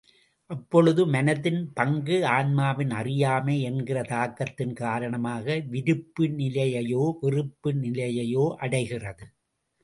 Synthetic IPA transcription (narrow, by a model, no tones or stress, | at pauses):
ʔɐpːɔɻɯðɯmɐnɐðɪnpɐŋɡɯaːnmaːʋɪnɐrɪjaːmeːɛnɡɪrɐt̪aːkːɐt̪ːɪnkaːɾɐɳɐmaːɣɐʋɪɾɯpːɯnɪlɐjɐjoːʋɪrɯpːɯnɪlɐjɐjoːʔɐɽɐɪɣɪrɐðɯ